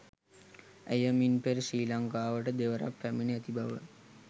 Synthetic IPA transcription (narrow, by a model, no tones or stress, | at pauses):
ejəminpeɾsiːlaŋkaːʋəʈəd̪eʋəɾa̰pːæminiət̪ibʱaʋə